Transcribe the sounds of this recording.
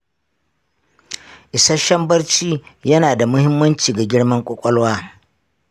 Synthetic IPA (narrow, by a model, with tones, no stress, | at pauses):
ʔɪ˨sɐ˦ʃɐ˦mbɐ˦rt͡ʃiː˦jɐ˦naː˨da˨mʊ˦hɪ˦mːɐ˦nt͡ʃiː˨ɡa˨ɡʲɪ˦ɽmɐ˦ŋkʷʼɔ˦kʷʼɔ˦lwaː˦